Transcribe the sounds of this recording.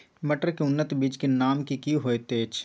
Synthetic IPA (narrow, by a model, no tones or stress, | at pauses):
mɐʈəɾkeʊnːət̪biːd͡ʒkenaːmkikiɦoːet̪eːt͡ʃʰ